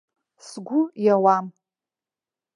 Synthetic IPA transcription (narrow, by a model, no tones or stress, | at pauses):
sɡʷʊjawam